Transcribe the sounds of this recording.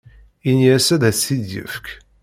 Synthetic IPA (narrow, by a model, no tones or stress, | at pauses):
inijæsæðæsiðjə̰fk